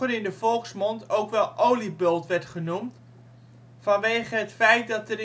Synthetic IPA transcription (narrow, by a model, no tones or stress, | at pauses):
ənɪndəvɔlˠksmɔntowkʋɛlˠʔowlibølˠtʋɛrtχənumt | fɑnʋeːχəɦətfɛjt̚dɑtəɾ